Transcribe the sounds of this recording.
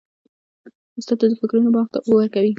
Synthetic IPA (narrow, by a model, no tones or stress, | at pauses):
ʊst̪ɑt̪ad̪əfɪkɾunobɑxt̪aʔowəɾkawi